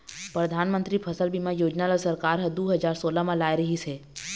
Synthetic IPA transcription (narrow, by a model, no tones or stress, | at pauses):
pɾəd̪ʱaːnmə̃nt̪ɾipʰəsəlbimãjoːd͡ʒnalasəɾkaːɾɦəd̪uːɦəd͡ʒaːɾsoːlamãlaːjɾɐɦise